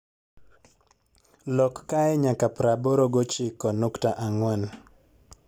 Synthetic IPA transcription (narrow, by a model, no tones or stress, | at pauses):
lɔkːaɛɲakapɾaboɾoɡot͡ʃɪkɔnuktaʔaŋwɛn